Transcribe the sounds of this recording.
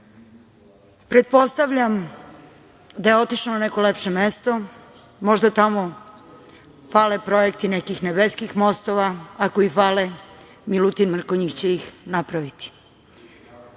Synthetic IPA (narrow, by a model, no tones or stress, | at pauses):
pɾe̞t̪̚po̞st̪aʋʎam | d̪ajeo̞t̪iʃlonaneko̞lepʃe̞mest̪o̞ | mo̞ʒd̪at̪amo̞ | falepɾo̞jek̚t̪inekixnebeskixmo̞st̪o̞ʋaakoifale | milut̪inmr̩koɲikt͡ɕeixnapɾaʋit̪i̥